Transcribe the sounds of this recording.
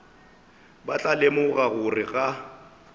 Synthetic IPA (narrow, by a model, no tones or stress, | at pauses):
bat͡ɬʼalemʊɣaɣʊrɪɣa